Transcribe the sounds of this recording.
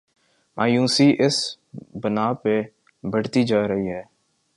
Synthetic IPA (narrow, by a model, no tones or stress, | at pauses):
mʔaːjũːsiʔɪs | bənaːpe | bəɽ̤t̪id͡ʒaːɾəɦiɦɛː